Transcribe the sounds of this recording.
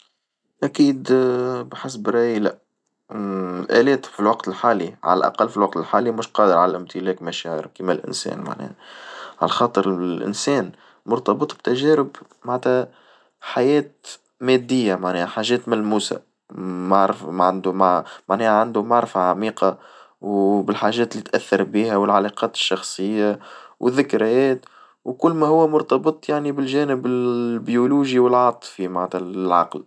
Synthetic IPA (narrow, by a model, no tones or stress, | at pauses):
ʔækiːd̪bħɪs̬bɾɑilæ | ɪlʔæ̰lɛːt̪filwɑqt̪ɪlħaːliʕa̰læ̰lʔɑ̰qɑlːfilwɑq̚t̪əlħaːlimʊʃqɑːd̪əɾʕalælʔɪmt̪ʰɪlɛːkmæʃæːʕə̰ɾkimælʔɪ̰nsɛ̰ːnma̰ʕnɛ̰ːhʕa̰læxɑːt̪ˤəɾʔɪ̰nsɛːn | mʊɾt̪ɑbɨt̪ˤb̚t̪æʒɛːɾɪb | maʕnt̪hæ | ħajɛːt̪̚ | mɛːd̪ːɪjːamaʕnɛːhħaːʒɛːt̪mælmuːsa̰ | aʕɾfmʕand̪ʊmamaʕnɛːhʕand̪ʊmaʕɾfaʕamiːqɑ | wbɪlħaːʒɛːt̪lːit̪ʔæθːɑɾˤbiːhæwɪlʕalɑqɑːt̪ɪ̥ʃːɑxsˤəjːawʔɪðːɪkɾæjɛːt̪ | wkʊlːmæhʊwːæmʊɾt̪ɑbɨt̪ˤjaʕnibɪlʒæːnɪbɪlbjuluːʒiwɪlʕɑt̪ˤfimaʕnæt̪hælʕɑ̰ql